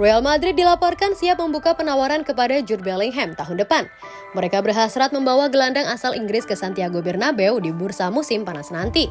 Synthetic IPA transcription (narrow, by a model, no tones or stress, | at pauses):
rɔjalmad̪ɾɪd̚ːilapɔrkansiap̚məmbukapənawaɾankəpadad͡ʒurbɛliŋɦɛmt̪aɦʊndəpan | məɾekabərɦasɾat̪̚məmbawaɡəlandaŋasalʔiŋɡɾɪskəsant̪iaɡobɛrnabɛwdibursamusɪmpanasənant̪i